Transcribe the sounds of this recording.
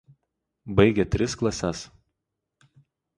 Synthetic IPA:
bɐɪɡʲɛt̪ʲɾʲɪsklˠɐsʲɛs

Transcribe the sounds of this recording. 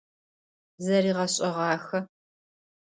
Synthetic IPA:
zɐɾiːʁɐɕʼɐʁɑːxɐ

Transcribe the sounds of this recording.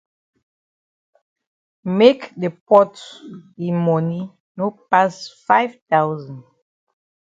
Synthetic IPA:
mekdepɔtdimɔ̃ni | nopasfajvtawzãnd

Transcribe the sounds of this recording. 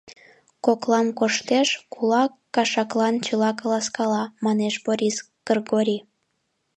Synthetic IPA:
koklɑmkoʃt̪eʃkʰulɑkːɑʃɑklɑnt͡ɕəlɑkəlɑskɑlɑmɑneʃboɾʲis | ɡ̥ərɡoɾʲi

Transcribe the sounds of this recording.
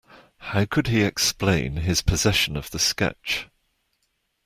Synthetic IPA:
haʊkʰəd̥̚iɛksplẽɪ̃nɪz̥pʰəzɛʃə̃nəv̥ðəskɛ̰t͡ʃ

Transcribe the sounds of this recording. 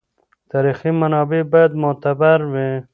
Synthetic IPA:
t̪aɾiximanɑbebajad̪mʊt̪abaɾwi

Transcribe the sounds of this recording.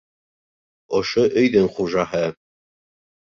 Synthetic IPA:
oʃoʔɵ̆jðɘŋχuʒɑɦɤ

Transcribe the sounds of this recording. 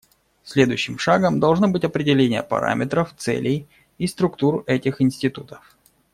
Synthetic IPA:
sʲlʲe̞d̪ʊjʉɕːɪmʂaɡəmd̪ɐlˠʐnobɨtʲɐpɾʲɪdʲɪlʲenʲɪjə̰pɐ̰ɾa̰mʲɪt̪ɾəft̪sɛ̰lʲɪj | ist̪ɾʊkt̪urɛtʲɪxɪnsʲtʲɪt̪ut̪ə̥f

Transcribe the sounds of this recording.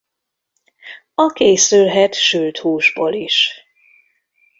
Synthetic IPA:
ɒkeːsylɦɛt̪ʃylt̪huːʒboːliʃ

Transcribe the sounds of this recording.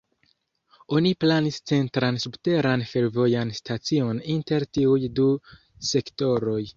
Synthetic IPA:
o̞niplanist͡se̞ntɾansubte̞ɾanfe̞ɾvo̞janstʰat͡sio̞ninte̞ɾtiujdu | se̞kto̞ɾo̞j

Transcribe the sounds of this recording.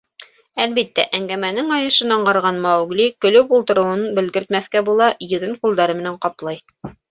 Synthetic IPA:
ælbit̪ːæʔæŋɡæmænɘŋɑjɤ̆ʃɤnɑɴɢɑɾʁɑnmæwɡlikɵ̆lɵpulˠt̪ɤ̆ɾɤ̆wɤnɤnbɘ̆lɡɘ̆ɾt̪mæθkæbulˠɑjɵ̆ðɘnqulˠd̪ɑɾɤmɘ̆næɴqɑplˠɑj

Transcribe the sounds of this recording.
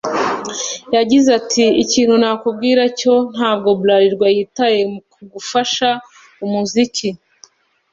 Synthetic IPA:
jaɟizatʰiiciːn̥hunaːkubɡiːɾaco̞n̥haːbɡo̞blaɾiɾɡwajiːtaje̞kuɡufaʃa | umuziki

